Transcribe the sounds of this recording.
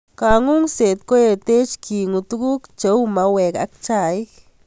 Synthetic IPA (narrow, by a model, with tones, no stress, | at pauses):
ka˨ŋu˦ŋse˨t̪̚ko˦je˧t̪e˦t͡ʃkʰi˨ŋu˧t̪u˦ku˦kt͡ʃə˧wma˧we˨ka̰˧k̚t͡ʃa˧˨jk